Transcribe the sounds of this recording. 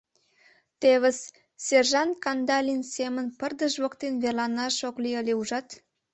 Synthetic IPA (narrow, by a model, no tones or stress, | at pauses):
t̪eβəs | serʒɑnt̪̚kɑnd̪ɑlʲinsemənpərd̪əʃβokt̪enβelɑnɑʃokliəlʲeuʒɑt̪